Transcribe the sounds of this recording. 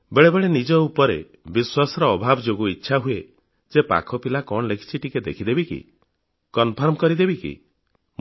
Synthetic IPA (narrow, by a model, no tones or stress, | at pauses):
beɭebeɭenid͡ʒɔupɔɾe | biswasɔɾɔːbʱabɔd͡ʒoɡuitːʃʰaɦue | d͡ʒepa̰kʰɔpilakɔɳ̃lekʰi̥t͡ʃʰiʈiked̪ekʰid̪ebikḭ | kɔnpʰɔɾmɔkɔɾid̪ebikḭ